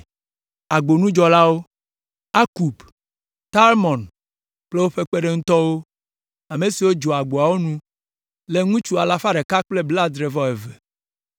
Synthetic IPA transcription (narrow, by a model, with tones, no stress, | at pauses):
a˨ɡ͡bo˨nũ˦d͡ʒɔ˨la˦wo˦ | a˦ku˨b | t̪a˦lmɔ̃˨n | k͡ple˦wo˦ɸe˦k͡pe˦ɖe˦ŋ̩̃˦t̪ɔ˦wo˦ | a˨me˨si˨wo˦d͡ʒɔ˨a˨ɡ͡bo˨a˨wo˦nũ˦ | le˨ŋũ˦t͡ʃu˦a˨la˨fa˦ɖe˨ka˦k͡ple˦bla˦d̪ɾe˨vɔ˦e˨ve˨